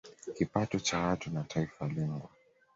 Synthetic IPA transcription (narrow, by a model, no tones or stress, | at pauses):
kipatɔt͡ʃawatunatʰaifalɛŋɡɔ